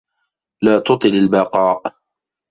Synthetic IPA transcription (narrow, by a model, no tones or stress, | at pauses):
laːt̪ʊt̪ˤɨlalbɑqɑːʔ